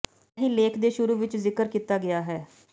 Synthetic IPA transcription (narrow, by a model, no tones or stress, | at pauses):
ɦiːleːkʰd̪eːʃʊɾuːʋɪt͡ʃzɪkəɾkiːt̪aːɡɪjaːɦɛː